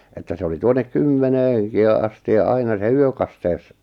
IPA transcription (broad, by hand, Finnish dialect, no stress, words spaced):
etːæ se oli tuonek kymːeneːŋ ki jɑ ɑsti jɑ ɑinɑ se yøkɑsteu̞s